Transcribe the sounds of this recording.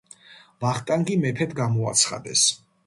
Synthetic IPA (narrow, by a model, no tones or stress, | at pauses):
vaχt̪ʼaŋɡimɛpʰɛt̪ʰɡamɔa̰t̪sʰχa̰d̪ɛ̰s